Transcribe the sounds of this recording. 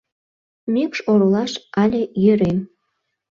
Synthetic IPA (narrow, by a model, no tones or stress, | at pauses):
mykʃoɾolɑʃɑlʲejøɾem